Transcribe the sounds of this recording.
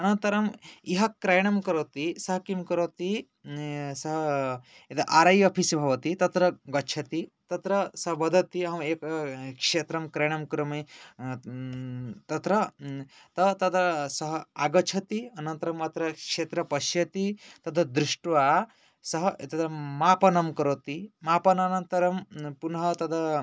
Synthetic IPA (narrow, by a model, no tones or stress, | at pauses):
ɐnɐnt̪ɐɾɐmiɦɐkɾɐjɳɐmkɐɾot̪isɐɦɐkimkɐɾot̪i | sɐɦɐ | et̪ɐʔaɾajopʰisibʱɐʋɐt̪it̪ɐt̪ɾɐɡɐt͡ʃʰɐt̪it̪ɐt̪ɾɐsɐɦbɐd̪ʱɐt̪iɐɦɐmeːkkʂet̪ɾɐmkɾɐjɳ̃ɐmkɾɐmi | t̪ɐt̪ɾɐ | t̪ɐt̪ɐd̪ɐsɐɦaɡɐt͡ʃʰɐt̪iɐnɐnt̪ɐɾɐmːɐt̪ɾɐkʂeːt̪ɾɐpɐʃjɐt̪it̪ɐd̪ʱɐd̪ɾuʂʈʋa | sɐɦɐt̪ɐd̪ɐmaːpɐnɐmkɐɾot̪imaːpɐnɐnɐnt̪ɐɾɐmpunɦɐt̪ɐd̪ɐ